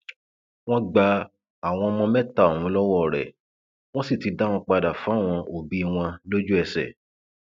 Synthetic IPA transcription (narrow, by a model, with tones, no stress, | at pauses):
w̃ɔ̃˦ɡ͡ba˧˦ | a˦˨w̃ɔ̃˧mɔ̃˧mɛ̃˦ta˦˨o˨ũ˨˦lɔ˦wɔ˦˨ɾɛ̰˨ | w̃ɔ̃˦si˦˨ti˨˧da˦w̃ɔ̃˧k͡pa˧da˨fũ˨˦˨w̃ɔ̃˧o˨bi˨˦˧w̃ɔ̃˧lo˦d͡ʒu˦ɛ˧sɛ̰˨